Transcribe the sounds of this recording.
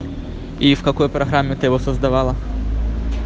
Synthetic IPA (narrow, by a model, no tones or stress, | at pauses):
ifkɐkɔjpɾɐɦɾamʲːɪt̪ɪjɪʋɔsɐzd̪ɐʋɑlˠɐ